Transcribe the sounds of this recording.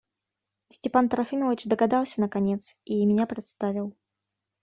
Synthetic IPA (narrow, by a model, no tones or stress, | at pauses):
sʲtʲɛpant̪ɐɾafʲinɔvʲit͡ʂd̪ɐɣad̪awsʲɐnɐkanʲɛt̪simʲɛnʲapɾʲɛt̪st̪avʲiw